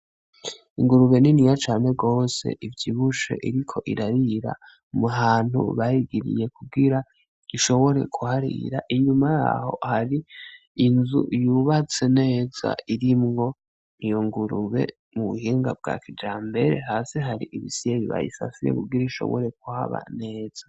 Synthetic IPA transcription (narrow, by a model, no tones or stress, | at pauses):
iŋɡuɾuβe̞ninijat͡ʃaːne̞ɡo̞ːse̞̰ʔivjiβuʃḛʔiɾikʰo̞ʔiɾaɾiɾa̰ | muɦaːn̥hṵβajiɡiɾḭje̞kub̚ɡiɾa | iʃo̞βo̞ɾe̞̰kʰuhaɾḭɾaʔiɲumaja̰ho̰haɾiː | nzṵjuβat͡se̞ne̞ːza̰iɾimŋo̞ | ijoŋɡuɾuβe̞̰ | muβṵhiːŋɡab̚ɡa̰kʰid͡ʒaːmbe̞ɾe̞̰ɦaːseɦaɾiʔiβisijeβiβa̰jḭsa̰fijḛkuɡiɾaiʃo̞̰βo̰ɾe̞k̚uha̰βa̰ne̞ːz̥a